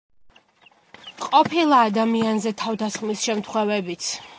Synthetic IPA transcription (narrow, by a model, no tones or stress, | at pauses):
qʼɔpʰilˠaːd̪amianzɛt̪ʰavd̪asχmisʃɛmt̪ʰχwɛvɛbit̪sʰ